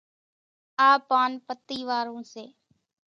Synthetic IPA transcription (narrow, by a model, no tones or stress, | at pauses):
aːpaːnpət̪ːiːʋaːɾõːseː